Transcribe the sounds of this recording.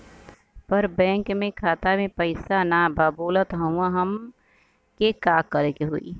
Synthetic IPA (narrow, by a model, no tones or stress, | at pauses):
pəɾbɛ̃ːŋkmẽkʰaːt̪amẽpəɪsanababoːlət̪ɦəw̃aɦəm | kekaːkːəɾekeɦoḭ